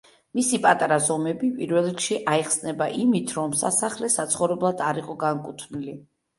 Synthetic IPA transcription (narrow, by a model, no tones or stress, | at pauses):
misipʼat̪ʼaɾazɔmɛbipʼiɾvɛlˠɾikʃiʔaɛχsnɛbaʔimit̪ʰɾɔmsasaχlɛsat̪sʰχɔvɾɛblˠad̪aɾiqʼɔɡaŋkʼut̪ʰnili